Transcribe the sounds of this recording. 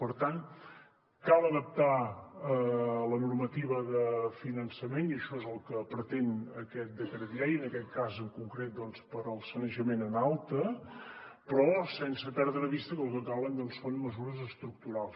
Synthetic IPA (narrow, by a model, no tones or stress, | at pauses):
pəɾt̪an | kalˠəðəp̚t̪aələnurmət̪iβ̞əðəfinənsəmeniəʃɔezəlˠkəpɾət̪enəkɛt̪̚d̪əkəɾəðiɛɾiənəkɛt̪̚kazəŋkuŋkɾet̪̚d̪ɔnspəɾəlˠsənəʒəmenənalˠt̪ə | pɾɔsɛnsəpɛɾðɾəβist̪əkəlkəkalənd̪ɔnsːonməzuɾəzəst̪ɾuk̚t̪uɾalˠs